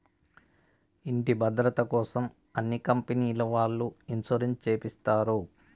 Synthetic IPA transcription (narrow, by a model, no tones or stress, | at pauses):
iɳʈibʱɐd̪ɾɐt̪ɐkɔːsɐm | ɐnːikɐmpeniːlɐʋaːɭːuinsoɾent͡ʃeːpist̪aːɾu